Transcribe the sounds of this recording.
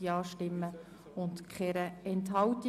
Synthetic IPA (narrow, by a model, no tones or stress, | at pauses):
iɑːʃtɪmːə | ʊntkχɛɾəɛntɦɑwti